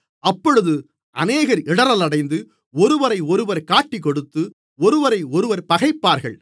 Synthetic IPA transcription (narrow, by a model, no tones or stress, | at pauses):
ɐpːɔɻɯðɯ | ʔɐ̰neːɣɐɾɪɽɐɾɐlɐɽɐɪnd̪ɯ | ɔɾɯʋɐɾɐɪɔɾɯʋɐɾkaːʈːɪk̬ːɔɽɯt̪ːɯ | ɔɾɯʋɐɾɐɪɔɾɯʋɐɾpɐɣɐɪpːaːɾɣɐ̰ɭ